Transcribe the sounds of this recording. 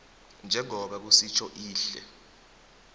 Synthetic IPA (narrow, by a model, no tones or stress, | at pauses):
nd͡ʒʱɛŋɔɓak̬usit͡ʃʰɔʔiːɬɛ̰